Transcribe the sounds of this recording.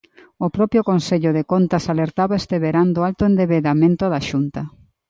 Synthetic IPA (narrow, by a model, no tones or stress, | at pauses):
opɾɔpjokonseʎoðekont̪asaleɾt̪aβaest̪eβeɾand̪oalt̪oend̪eβeðamẽnt̪oðaʃunt̪ɐ